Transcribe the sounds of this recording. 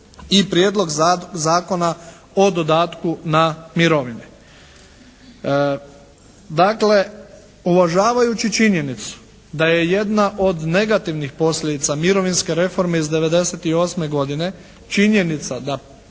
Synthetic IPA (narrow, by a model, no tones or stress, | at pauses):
ipɾjeːd̪lˠo̞ɡzaːko̞na | od̪o̞d̪aːt̪kunamiɾo̞ʋine | d̪akle̞ | uʋaʒaːʋajut͡ʃit͡ʃinje̞nit̪su̥ | d̪aje̞je̞d̪naʔo̞d̪ne̞ɡat̪iʋnixpo̞sʎʲe̞d̪it̪samiɾo̞ʋinske̞ɾe̞fo̞ɾme̞izd̪e̞ʋe̞d̪e̞set̪io̞ːsme̞ɡo̞d̪ine̞ | t͡ʃiɲje̞nit̪sad̪a